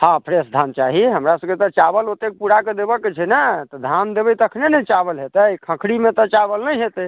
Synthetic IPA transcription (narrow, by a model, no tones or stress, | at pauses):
hãpʰɾesd̪ʱant͡ʃaɦiɦəmɾasəbket̪ɔt͡ʃabəlot̪ek̚puɽaked̪ebəkːet͡ʃʰɛnət̪ɔd̪ʱand̪ebəjt̪əkʰnenəit͡ʃabəlɦet̪əjkʰə̃kʰɽimẽt̪ɔt͡ʃabəlnəjɦet̪ɛ